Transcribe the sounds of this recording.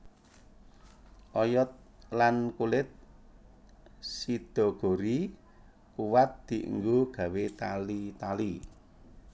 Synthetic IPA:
ʔɔjɔt̪̚lankulɪt̪̚ | sid̪̥ɔ̤ɡ̥o̤ɾi | kuwat̪̚d̪̥i̤ʔə̰ŋɡoɡ̥a̤wet̪alit̪ali

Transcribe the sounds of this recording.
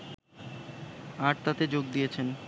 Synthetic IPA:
aʈ̚t̪at̪ed͡ʑoɡ̚d̪ijet͡ɕʰen

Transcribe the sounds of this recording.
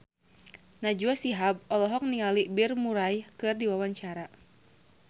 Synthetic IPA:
nad͡ʒuasiɦab̚ɔlɔɦɔk̚niŋalibirmuɾajkɨrdiwawaɲt͡ʃaɾa

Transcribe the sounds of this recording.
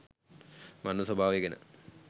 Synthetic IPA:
mɐnːuswɐbʱaːʋiɣɐnɐ̰

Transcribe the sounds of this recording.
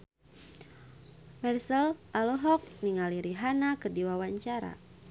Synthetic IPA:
mɛrsəlʔalɔɦɔk̚niŋaliɾiɦanakərdiwawaɲt͡ʃaɾa̰

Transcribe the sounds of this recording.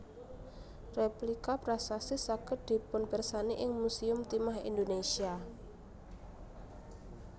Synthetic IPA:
replikapɾasasɪsakəd̪̥i̤pʊnpɛrsaniʔɪŋmusiʊmt̪imaɦḭnd̪onesia

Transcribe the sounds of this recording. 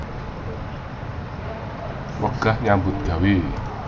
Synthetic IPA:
wəɡ̥a̤hɲambʊt̪̚ɡ̥a̤we

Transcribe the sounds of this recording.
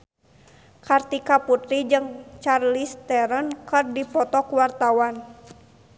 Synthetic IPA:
kart̪ikaput̪ɾid͡ʒɨŋt͡ʃarlist̪ɛɾənkɨrdipɔt̪ɔkuwart̪awan

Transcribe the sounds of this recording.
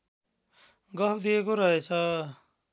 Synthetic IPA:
ɡʌpd̪iekoɾʌɦet͡sʰʌ

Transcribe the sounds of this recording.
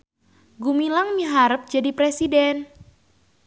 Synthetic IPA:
ɡumilaŋmiɦaɾəp̚d͡ʒadipɾesidɛn

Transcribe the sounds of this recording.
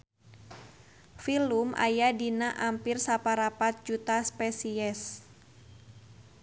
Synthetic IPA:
filumʔa̰jadinaʔampirsapaɾapat̪̚d͡ʒut̪aspɛsiɛs

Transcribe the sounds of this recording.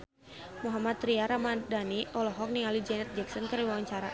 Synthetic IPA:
muɦamat̪ɾiaɾamadaniʔɔlɔɦɔk̚niŋalid͡ʒɛnɛt̪̚d͡ʒɛk̚sɔnkəriwawaɲt͡ʃaɾa

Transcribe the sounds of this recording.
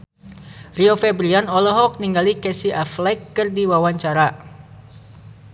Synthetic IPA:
riofɛbɾianɔlɔɦɔk̚niŋɡalikɛsiʔaflɛkːɨrdiwawaɲt͡ʃaɾa

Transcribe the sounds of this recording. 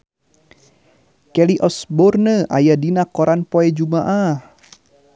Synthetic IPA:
kɛliʔɔsbɔrnəʔa̰jadinakɔɾanpoɛd͡ʒumaʔah

